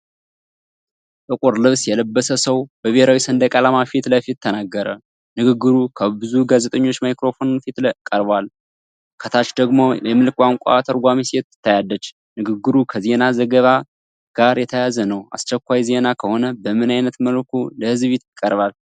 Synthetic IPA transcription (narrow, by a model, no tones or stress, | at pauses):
t̪ʼɨkʼuɾlɨβsjɛləbːəsəsəwbəβeɾawisənd̪əkʼalamafit̪ləfit̪ʰːənaɡːəɾə | nɨɡɨɡːɨɾukʰəbɨzuɡazet̪ʼəɲːo̞t͡ʃːmajkɾo̞fo̞nfit̪kʼəɾbal | kʰət̪ʰat͡ʃd̪əɡmojɛmɨlkʰwʔaŋkʷʼat̪ʰəɾɡʷamiset̪ːɨ̥t̪ʰːajalːət͡ʃː | nɨɡɨɡːɨɾukʰəze̞nazəɡəβa | ɡ̥aɾjɛt̪ʰəjazənəwa̰st͡ʃɛkʷːajze̞nakʰəho̞nəbəmɨnajnət̪məlkʰuləhɨzβit̪jkʼːəɾβal